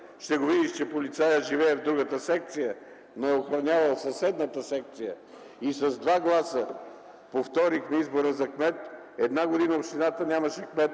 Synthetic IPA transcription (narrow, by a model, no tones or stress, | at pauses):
ʃt̪ɛɡovid̪iʃt͡ʃɛpolit̪sajəʒivɛɛvd̪ɾuɡət̪əsɛk̚t̪sijə | noɛoxɾɐnʲavɐlˠsɐsɛd̪nət̪əsɛk̚t̪sijə | isɐzd̪vaɡlˠasə | poft̪ɔɾixnɐizboɾəzɐkmɛt̪ | ɛd̪naɡod̪inəopʃt̪inat̪ənʲaməʃɛkmɛt̪